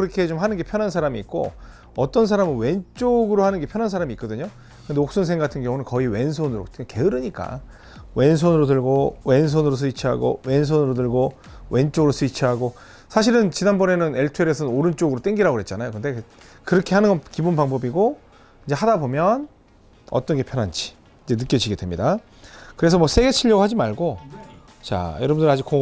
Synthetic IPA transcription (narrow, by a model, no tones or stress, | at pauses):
ɯɾʌkʰet͡ɕomɦanɯnɡe̞pʰjʌnɦansʰaɾamiːk̚k͈o̰ | ʌt͈ʌnsʰaɾamɯnwe̞nt͡ɕ͈oɡɯɾohanɯnɡe̞pʰjʌnɦansʰaɾamiːk͈ʌdɯɲo | kɯndeok̚s͈ons̬ʰeŋɡatʰɯnɡjʌŋunɯnkʌiwe̞ns̬ʰonɯɾo̰ke̞ɯɾɯɲik͈a̰ | we̞ns̬ʰonɯɾotɯɭɡowens̬ʰonɯɾos̬ʰɯit͡ɕʰiɦa̰ɡo̰we̞ns̬ʰonɯɾot̬ɯɭɡo | we̞nt͡ɕ͈oɡɯɾos͈ʰɯit͡ɕʰiɦaɡo | sʰaɕ̬ʰiɾɯnt͡ɕinanbʌne̞nɯne̞ɭtʰueɾes̬ʰʌnoɾɯnt͡ɕ͈oɡɯɾot͈eŋɡiɾaɡoɦe̞t̚t͡ɕ͈anajokɯnde̞ | kɯɾʌkʰe̞ɦanɯnɡʌnkibunbaŋbʌbiɡo | ind͡ʑe̞hadabomjʌn | ʌ̰t͈ʌnɡe̞pʰjʌnɦand͡ʑi̥ | ind͡ʑe̞nɯk͈jʌd͡ʑiɡe̞dwemɲida | kɯɾe̞s̬ʰʌmwʌs͈ʰe̞ɡe̞t͡ɕʰiʎːʌɡohad͡ʑimaɭɡo | t͡ɕa̰jʌɾʌbɯndɯɾad͡ʑiko